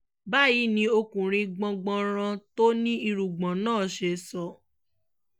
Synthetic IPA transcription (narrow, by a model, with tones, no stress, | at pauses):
ba˦˨ji˨˦nĩ˧o˧kũ˨ɾ̃ĩ˧ɡ͡bɔ̃˧ɡ͡bɔ̃˧ɾ̃ã˧to˦nĩ˦i˧ɾu˨ɡ͡bɔ̃˨nãː˦˨ʃe˧˦sɔ˧˦